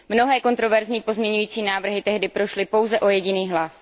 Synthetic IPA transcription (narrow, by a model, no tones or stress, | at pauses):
mno̞ɦɛːko̞nt̪ɾo̞vɛɾzɲiːpo̞zmɲɛɲujiːt͡siːnaːvr̩ɦɪt̪ɛɦdɪpɾo̞ʃlɪpo̞wzɛʔo̞jɛɟɪniːɦlas